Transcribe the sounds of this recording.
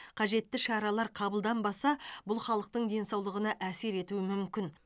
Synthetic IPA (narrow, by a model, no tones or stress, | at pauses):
qʰɑʒe̞t̪ːɪʃɑɾɑlˠɑɾqʰɑbəlˠd̪ɑnbɑsɑbʊlˠχɑlˠəq̚t̪əɴd̪e̞nsɑwlˠəʁənɑʔæse̞ɾe̞t̪uɪmʏmkʲɪn